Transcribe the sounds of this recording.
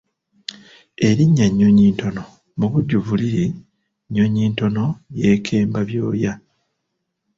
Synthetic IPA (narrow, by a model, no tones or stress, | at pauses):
e̞ɾiɲːaɲːoɲiːnto̞no̞ | muβuɟːuvuliɾi | ɲːoɲiːnto̞no̞je̞ːkʰe̞ːmbaβjo̞ːja